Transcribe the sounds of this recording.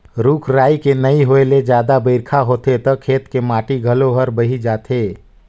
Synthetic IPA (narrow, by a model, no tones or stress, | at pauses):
ɾuːkʰɾaːikenəiɦoːeled͡ʒjaːd̪abəɪɾkʰaɦoːt̪et̪ɔkʰeːt̪kemaːʈiɡʱəloɦəɾbəɦid͡ʒaːt̪ʰeː